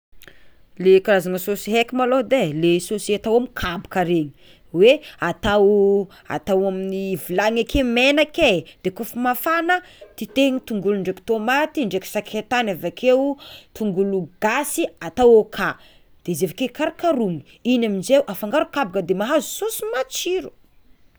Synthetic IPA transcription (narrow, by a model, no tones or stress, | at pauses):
lekaɾazanəsosiɦekʲimalod̪elesosiat̪awamikʰabu̥kaɾeɲi̥ | weat̪aw | a̰t̪awaminivilaŋakʰemenaked̪̥ekufumafanət̪it̪eɲit̪uŋɡuluɳɖ͡ʐeki̥t̪omat̪iɳɖ͡ʐeksakʰet̪anavakʰewt̪uŋɡuluɡasiat̪awokʰa | d̪̥ezevakekaɾakaɾuŋi̥ | inamind͡ʒewʔafaŋɡaɾukabakəd̪emaɦazusosimat͡ʃiɾu̥